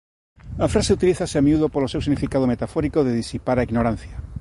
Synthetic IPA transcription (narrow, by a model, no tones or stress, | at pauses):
afɾaseut̪iliθaseamjuðopolosewsiɣnifikaðomet̪afoɾikoðeðisipaɾaiɣnoɾan̟θja